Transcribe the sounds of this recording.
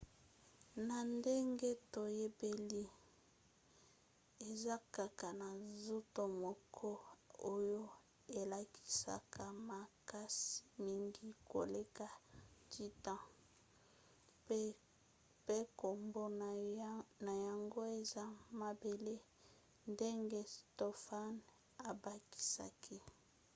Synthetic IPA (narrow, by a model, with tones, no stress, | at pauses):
na˨nde˦ŋɡe˦to˨je˦be˨li˦ | e˨za˦ka˨ka˨na˨zo˦to˨mɔ˨kʰɔ˦o˦jo˦ | e˨la˨ki̥˦sa̰˦ka˦ma˨ka˦si̥˦˨mi˦ŋɡi˦ko̰˨le˦ka˨tʰi˦tã˦ | pe˦ko˨mbo˦n˨na˨ja˨ŋɡo˦e˨za˦ma˨be˨le˦ | nde˦ŋɡe˦sto˦fa˦n | a˨ba˨ki̥˦sa̰˨kʰi˦